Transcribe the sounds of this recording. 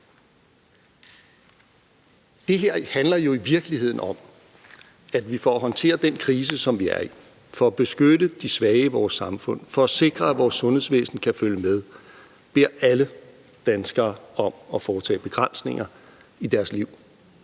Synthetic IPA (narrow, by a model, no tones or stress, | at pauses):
d̥e̝ɦeɐ̰hænlɐjo̝iʋiɐɡ̥əlihe̝ð̞̰ˠn̩ɒ̽m̰ | æd̥ʋifɒæɦɒ̽nt͡sʰe̝̰ːɐd̥enkʰʁiːs̬əsɒ̽mʋiæɐi | fɒ̽æb̥e̝sɡ̥ødəd̥isʋɛːɪəʋɒːsːɑ̈mfɔ̽n̰fɒ̽æse̝ɡ̥ʁɐæʋɒːsːɔ̽nhe̝̰sʋḛːsn̩kʰæføljəmeð̞ˠ | b̥e̝ɐ̰ælə | d̥ænsɡ̥ɐːɒ̽mɒ̽fɒːt͡sʰɛ̰ːb̥e̝ɡ̥ʁan̰sne̝ŋɐ | id̥æɐsliʊ̰